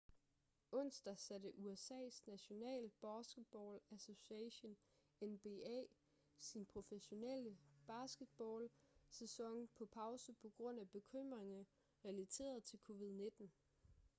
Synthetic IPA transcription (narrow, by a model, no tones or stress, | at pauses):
ɔ̽n̰sd̥ɐsæd̥əʔuesɛ̰ːsnæɕo̝nɛ̰ːlb̥ɑsɡ̥ed̥̚b̥ɒːlæso̝siɛɕon | enb̥e̝ɛ̰ː | sinpʰʁo̝feɕo̝nel̰əb̥ɑ̈sɡ̥ed̥̚b̥ɒːlsesɒ̽ŋ̰pʰɒ̽pʰɑ̈ʊsəpʰɒ̽ɡ̥ʁɔ̽n̰æb̥e̝kʰøm̰ʁeŋɐ | ʁɛlæt͡sʰe̝̰ːɐð̩ˠt͡sʰe̝lkʰo̝ʋið̞ˠne̝d̥n̩